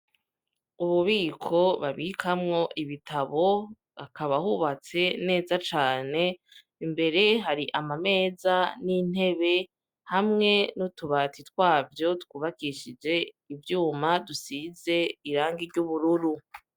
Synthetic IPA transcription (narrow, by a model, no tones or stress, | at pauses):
uβuβiːkʰo̞βaβikʰamŋo̞ʔiβitʰaβo̞ | akaβahuβat͡se̞ne̞ːzat͡ʃaːne̞ | imbe̞ɾe̞ɦaɾiʔamame̞ːzanin̥he̞βe̞ | hamŋe̞nutuβatitwaːvjo̞tkuːβakiʃid͡ʒe̞ | ivjuːmadusize̞iɾaːŋɡiɾɟuβuɾuɾu